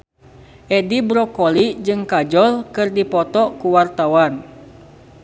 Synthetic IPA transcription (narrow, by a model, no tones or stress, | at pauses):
ʔɛdibɾɔkɔlid͡ʒɨŋkad͡ʒɔlkɨrdipɔt̪ɔkuwart̪awan